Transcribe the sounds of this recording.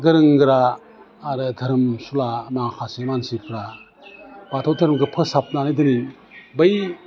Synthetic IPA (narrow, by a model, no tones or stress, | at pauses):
ɡɯɾɯŋɡɯɾaː | ɾɯtʰɐɾɯmsulanakʰasemansipʰɾa | batʰowtʰɐɾmɡɯpʰɯsap̚nanajdɯni | bɐj